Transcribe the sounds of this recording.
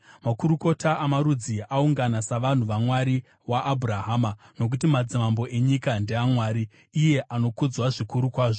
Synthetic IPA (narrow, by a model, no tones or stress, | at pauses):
makuɾuko̞taamaɾud͡ziauŋɡanasaʋan̤uʋamwaɾi | waʔːbʱuɾaɦaːmano̞k̬utimad͡zimambo̞ʔe̞ɲikandeamwaːɾiː | je̞ʔano̞kud͡zwaʐikuɾukwaːʐo